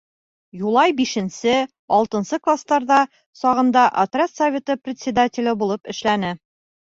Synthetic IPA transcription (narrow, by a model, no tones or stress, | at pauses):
julˠɑjbiʃɘ̆nsɘ | ɒlˠt̪ɤ̆nsɤklˠast̪ɑɾðɑ | sɒʁɤ̆nd̪ɑʔɐt̪rʲet̪sɐvʲet̪ɤprʲɪt̪ʲsʲɪd̪atʲɪlʲɘbulˠɤpɘ̆ʃlænɘ